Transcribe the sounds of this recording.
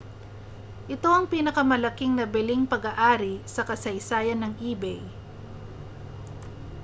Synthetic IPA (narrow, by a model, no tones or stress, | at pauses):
ʔɪt̪o̞ʔɐŋpiːnɐkɐmɐlɐkiŋnɐbɪliŋpɐɡaʔaːɾisɐkɐsɐjsaːjɐnːɐŋʔiːbɛj